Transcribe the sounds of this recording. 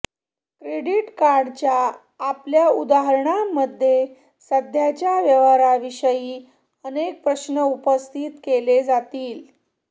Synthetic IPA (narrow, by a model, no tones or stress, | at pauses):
kɾeɽiʈkaɾɖt͡ɕjaː | pljaud̪aɦəɾɳaməd̪ʱːje | səd̪ʱjat͡ɕjaʋjəʋaɾaʋiɕəjiː | ənek̚pɾəɕnəupəst̪ʰit̪keled͡zat̪iːl